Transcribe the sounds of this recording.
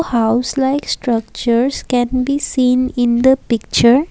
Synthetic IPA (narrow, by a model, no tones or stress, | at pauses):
haʊslaɪksʈɾʌk̚t͡ʃəɾskɛ̃nbisĩːnɪ̃nd̪əpɪk̚t͡ʃəɾ